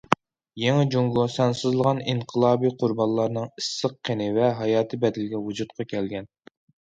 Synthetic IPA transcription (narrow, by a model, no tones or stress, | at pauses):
jeŋɪd͡ʒuŋɡosɑnsɨzlˠəʁɑniɴqʰəlˠɑːbiqʰʊɾbɑnlˠɑɾnɨŋisːəqʰːenɪvɛɦɑjɑːt̪ʰɨbɛd̪ɪlɡʲɛwud͡ʒut̪̚qʰɑkʲʰɛlɡʲɛn